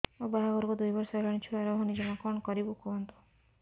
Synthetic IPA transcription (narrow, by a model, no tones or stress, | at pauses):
obaɦaɡɔɾkud̪ujbɔɾsɔlɔɽ̃it͡ʃʰuaɾɔɦɔnid͡ʒɔmakɔɳ̃ɔkɔɾibukoɦnt̪u̥